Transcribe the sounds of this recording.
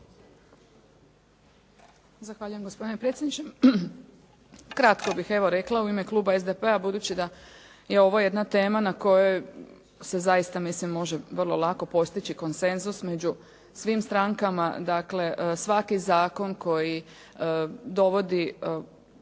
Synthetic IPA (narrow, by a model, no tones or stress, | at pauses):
zaxʋaːʎujemɡospo̞d̪inepɾet̪sʲjed̪nit͡ʃe | kɾat̪ko̞bixeʋo̞ɾeklˠauime̞klˠuːbaezd̪epe̞abud̪uːt͡ɕid̪a | je̞o̞ʋoje̞d̪nat̪e̞ːmanako̞joj | se̞zajist̪amislimːo̞ʒeʋr̩lˠo̞lˠako̞po̞st̪it͡ʃiko̞nse̞nzusme̞d͡ʑu | sʋimst̪ɾaŋkama̰d̪akle̞ʔsʋakizaːko̞nko̞ji | d̪o̞ʋo̞d̪i